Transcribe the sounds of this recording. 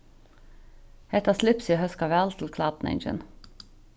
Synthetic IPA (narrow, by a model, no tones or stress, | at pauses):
hɛt̪ɑːslɪpsɪhœskɑʋæːlt̪ʰl̩kʰlɑːt̪n̩ɛ̰ɪnd͡ʒə̰n